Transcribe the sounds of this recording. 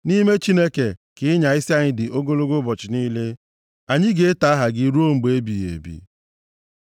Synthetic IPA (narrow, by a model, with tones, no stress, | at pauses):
ni˦me˦t͡ʃi˦ne˦ke˨kɪ˦ɪ˦ɲa˨i˦si˦a˦ɲɪ˦dɪ˨ʔo˦ɡo˦lo˦ɡo˦bɔ˨t͡ʃɪ˨niː˦le˦ | a˨ɲɪ˦ɡe˨e˦ta˨˦a˦ɦa˨ɡɪ˦ɾu˦o˦ŋ͡m̩˨ɡ͡be˨e˦bi˨ḛ˨bḭ˨